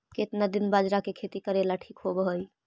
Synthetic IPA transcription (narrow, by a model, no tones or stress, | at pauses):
ket̪nad̪inbad͡ʒɾakekʰet̪ikəɾelaʈʰikɦobɦoj